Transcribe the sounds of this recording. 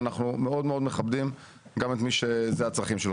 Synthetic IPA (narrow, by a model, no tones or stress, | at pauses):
naχnume̞o̞d̪meo̞d̪meχabdim | ɡame̞tmiʃezeat͡sʁaχimʃel